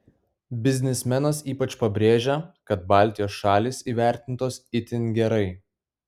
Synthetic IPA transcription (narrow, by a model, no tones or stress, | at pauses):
bʲɪzʲnʲɪsʲmʲɛnɐsiːpɐt͡ʃpɐbʲɾʲeːʒʲɛkɐt̪̚bɑːˑlʲt̪ʲɪjoːsʃɑːlʲiːsiːʋʲæˑɾʲt̪ʲɪnt̪oːsɪt̪ʲɪnɡʲɛɾɐɪ